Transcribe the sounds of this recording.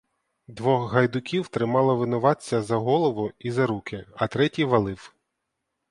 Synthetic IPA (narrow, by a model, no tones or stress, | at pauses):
d̪ʋɔxɦɐjd̪ʊkʲiwt̪ɾɪmɑlˠɐʋɪnʊʋɑt͡sʲːɐzɐɦɔlˠɔʋʊizɐɾukʰɪɐt̪ɾɛtʲijʋɐlˠɪw